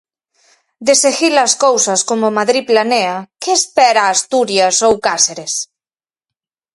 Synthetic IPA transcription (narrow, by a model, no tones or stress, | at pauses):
d̪eseɣilɐskowsaskomomaðɾiplaneakeːspɛɾaːst̪uɾjasowkaseɾes